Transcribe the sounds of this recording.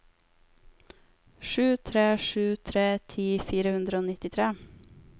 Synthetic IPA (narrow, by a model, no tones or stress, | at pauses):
ʃʉːt̪ʰɾeːʃʉːt̪ʰɾeːt̪ʰiːfiːɾəhʉnd̪ɾəoːnɪt̪ɪt̪ʰɾeː